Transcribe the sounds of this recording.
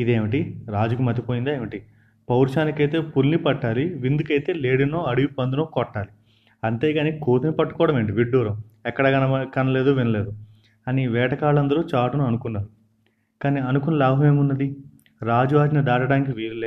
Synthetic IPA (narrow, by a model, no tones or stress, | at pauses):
id̪eːmiʈiɾaːd͡ʒukumɐt̪ipojind̪aːeːmiʈi | pɐwɾʃaːnikɐjt̪e̞ːpulnipɐʈːaːliʋind̪ukɐjt̪e̞ːleːɽinoːɐɽiʋipɐnd̪unoːkɔʈːaːli | ɐnt̪e̞ːɡaːniːkoːt̪ʰɐnipɐʈːukɔːɽɐme̞ːɳʈ̬iʋiɖːuːɾɐmɛkːɐɽɐɡɐɐkɐnɐle̞ːd̪uʋinɐleːd̪u | ɐniʋɛːʈɐkaːɭɐnd̪ɐɾuːt͡ʃaːʈunuɐnukunːɐːɾu | kaːniːɐnukunɐlaːbʱɐme̞ːmunːɐd̪i | ɾaːd͡ʒuʋaːd͡ʒinɐd̪aːʈɐɽaːnik̬iʋiːɾuleː